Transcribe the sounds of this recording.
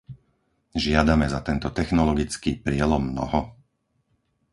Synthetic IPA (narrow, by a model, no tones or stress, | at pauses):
ʒɪad̪amɛzat̪ɛnt̪ɔt̪ɛxnɔlɔɡit͡skiːpɾɪɛlɔmːnɔ̰ɦɔ